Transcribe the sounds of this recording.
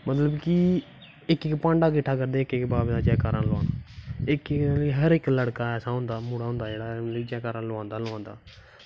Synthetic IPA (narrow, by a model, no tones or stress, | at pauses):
mət̪ləbkɪ | ɪkɪkpãːɳɖaːk̬ɪʈʰːaːkəɾd̪eːɪkɪkːbaːbd̪aːd͡ʒɛːkaːɾãːlʊã̰ːnaɪkɪkːləɦəɾɪkləɽkaːɛːsãːɦʊ̃nd̪aːmuːɽaːɦʊ̃nd̪aːd͡ʒeːɽaːliːd͡ʒɛːkaːɾãːloãːnd̪aːloãːnd̪a̰ː